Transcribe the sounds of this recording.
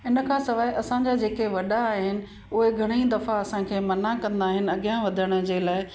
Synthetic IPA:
ɪnə̆kʰãːsɐʋaːeʔɐsãɲd͡ʑad͡ʑeːkeʋɐɗaːɦɪnɪ̆ | ʊɦeɡʱɐɽ̃id̪ɐfaɐsãkʰeːmɐnakɐ̃nd̪aːɦɪnɪ̆ɐɠijãʋɐd̪ʱəɽ̃ə̆d͡ʑeːlaːɪ

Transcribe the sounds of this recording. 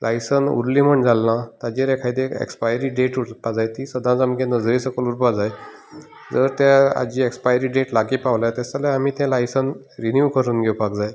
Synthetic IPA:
lʔajsənṵɾliːm̤əɳd͡zalːãt̪ad͡ʑiɾɛkʰajt̪ekḛkspajɾiːɖeʈuɾpad͡zajt̪iːsəd̪ʱãd͡zəmɡẽnəd͡zɾisəkəluɾpad͡zaj | d͡zəɾt̪jaa̰d͡ʑiekspajɾiːɖeʈlaɡipaʋlat̪asalaamiːt̪ɛ̃lajsən | ɾinjuʋkəɾuːnɡʱɛwpakd͡zaj

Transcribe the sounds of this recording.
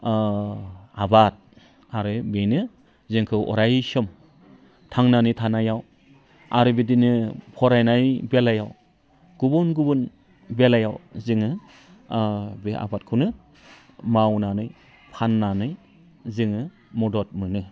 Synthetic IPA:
abat̚ | aɾɯbenɯ | zɯŋkʰɯwʔɔ̰ɾajsɔm | tʰaŋnanɯjtʰanajaw | a̰ɾɯbidinɯpʰɔɾajnajbelajaw | ɡ̥ubɔnɡubun | belajawzɯŋɯ | bea̰bat̚kʰunɯ | mawnanɯj | pʰanːanɯj | zɯŋɯ | mɔdɔt̚mɯnɯ

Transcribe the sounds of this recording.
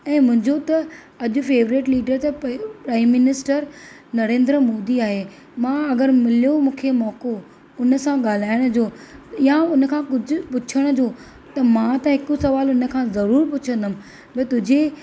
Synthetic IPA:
ɛ̃ːmʊ̃ɦɪ̃ɲd͡ʑot̪ɐ | ɐʄʊ̆feːʋɾɪʈliːɖəɾt̪ɐpɾaːɪmːɪnɪsʈəɾ | nɐɾẽːnd̪ɾəmoːd̪iaːɦe | mãːɐɡəɾmɪlijomũːkʰemɔːko | ʊnə̆sãɠaːl̤aːɪɽ̃d͡ʑoːjãʊn̆kʰãːkʊd͡ʑʱʊ̆pʊt͡ɕʰəɽ̃ə̆d͡ʑoː | t̪ɐmãt̪ɐɦɪkusɐʋaːlʊnə̆kʰãzɐɾuːɾpʊt͡ɕʰə̃nd̪əm̆ | bɐt̪ʊd͡ʑʱe

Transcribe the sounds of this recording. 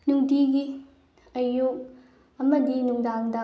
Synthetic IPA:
nuŋdiɡi | ɐjuk̚ | ɐmɐdinuŋdaŋdɐ

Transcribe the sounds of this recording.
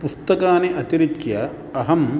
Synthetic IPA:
pust̪ɐkaːneʔɐt̪iɾikjɐ | ɐɦɐm

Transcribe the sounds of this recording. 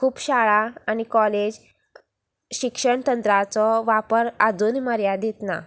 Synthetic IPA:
kʰuːpɕaɭaañikɔled͡ʑ | ɕikʂəɳt̪ənt̪ɾat͡sɔʋapəɾad͡zuːnməɾjad̪it̪na̰

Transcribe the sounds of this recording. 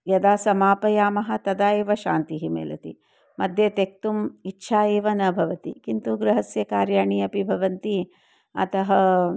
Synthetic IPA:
jɐd̪aːsɐmaːpɐjaːmɐɦɐt̪ɐd̪aːeːʋɐʃa̰ːnt̪iɦimḛːlɐ̰t̪ḭ | mɐd̪ʱjet̪ek̚t̪umitːʃʰaːjeːʋɐnɐbʱɐʋɐt̪ikint̪uɡɾɐɦɐsjɐkaːɾjaːɳijɐpibʱɐʋɐnt̪i | ɐ̰t̪ɐɦɐ

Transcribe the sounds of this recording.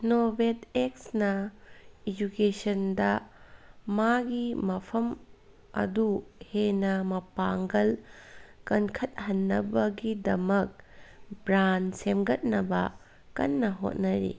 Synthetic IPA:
nobeteksnɐ | id͡ʒukesɐndɐ | maɡimɐpʰɐm | ɐ̰duhenɐmɐpaŋɡɐl | kɐnkʰɐt̚hɐnːɐbɐɡidɐmɐk̚bɾansemɡɐt̚nɐbɐ̰ | kɐ̰nːɐɦo̰t̚nɐɾḭ

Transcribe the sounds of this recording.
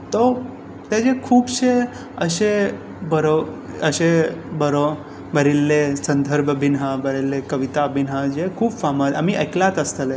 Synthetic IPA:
t̪o | t̪jad͡ʑekʰuːbɕe | əɕe | bəɾo | əɕebəɾo | bəɾilːesənd̪ʱəɾbʱəbʱinɦabəɾelːekəʋit̪abʱinɦad͡ʑekʰuːbfamat̪a̰miʔəjklat̪əst̪əle

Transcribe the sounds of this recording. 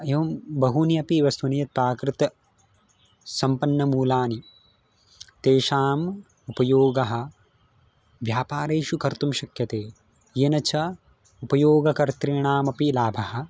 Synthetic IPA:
ɐjɐʋɐmbɐɦuniɐpiːʋɐst̪ʰunijɐt̪̚paːkɾɪt̪ɐ | sɐmpɐnːɐmuːlaːni | t̪eːʃaːm | upɐjoːɡɐɦɐ̆ | ʋjaːpaːɾeːʃukɐɾt̪umʃɐkjɐt̪eː | jeːnɐt͡ʃʰɐ | upɐjoːɡɐkɐɾt̪ɾiːɳaːmɐpilaːbʱɐhɐ̆

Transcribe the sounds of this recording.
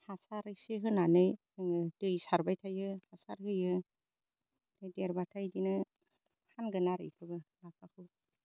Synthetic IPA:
hasaɾɯjseɦɯnanɯjsɯŋɯdɯjsaɾbajtʰajɯhasaɾhɯjɯ | d̥ɯjdeɾbatʰajdinɯ | hanɡɯnaɾɯ̰jkʰɯbɯlak̚ʰakʰɯ

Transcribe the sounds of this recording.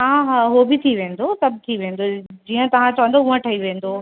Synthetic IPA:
ɦãɦɦobɪt̪ʰiʋẽːn̆d̪osɐb̚ʱt̪ʰiʋẽːnd̪od͡ʑiːə̃t̪ɐʋ̤ãt͡ɕɐʋə̃nd̪ouə̃ʈʰɐiʋẽːn̆d̪oː

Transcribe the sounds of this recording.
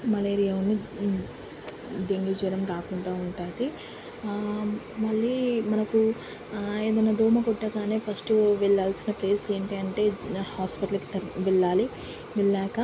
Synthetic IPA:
mɐleːɾijaunːi | d̪eŋɡid͡ʒiɾɐmɾaːkuɳʈaːuɳʈaːt̪i | mɐɭːiːmɐnɐku | e̞ːd̪ɐnːaːd̪ʱuːmɐkɔʈːɐkaːneːpʰɐsʈʋɛɭːaːlsinɐple̞ːse̞ːɳʈiɐɳʈe̞ːhaːspiʈɐlki̥t̪ɐʋɛɭːaːli | ʋiɭːɛːkɐ

